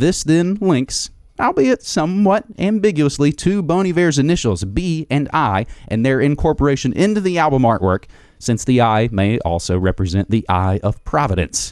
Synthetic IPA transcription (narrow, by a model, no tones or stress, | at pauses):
ðɪsðɪ̃nlɪ̃ŋks | aɪlˠbiɨtsʌ̃mwʌɾæ̃mbɪɡjʉəslitʰʉbõʊɾ̃ivɛɹzɨnɪʃl̩ˠzbiɨ̃naɪʔɨ̃nðə˞ɨ̃nkʰɔɹpə˞eɪʃɨ̃nʔɪ̃ntʉðiælˠbə̃mɑɹʔwɜ̰˞k | sɪ̃nsðiaɪmeɪʔɔ̰lˠsoʊɹɛpɹɨzɛ̃nðiʔa̰ɪʔʌv̥pʰɹ̥ɑvɨɾɨ̰̃ns